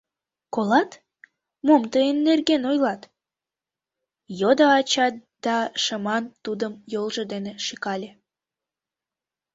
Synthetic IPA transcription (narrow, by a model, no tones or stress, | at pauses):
kolɑt̪ | momt̪əenːerɡenojlɑt̪ | jod̪əɑt͡ɕɑt̪̚d̪̥ɑʃəmɑnt̪ud̪əmjolʒəd̪eneʃikɑlʲe